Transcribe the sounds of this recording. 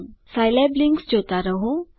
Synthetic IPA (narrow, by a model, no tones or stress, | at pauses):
ŋsajlebliŋɡsd͡ʑot̪aɾəɦũ